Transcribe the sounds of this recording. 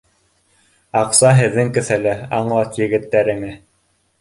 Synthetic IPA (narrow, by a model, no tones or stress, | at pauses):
ɑqsɑɦɘ̆ðːɘŋkɘ̆θælɘɑɴlˠɑt̪jɘ̆ɡɘ̆t̪ːæɾɘ̆ŋɘ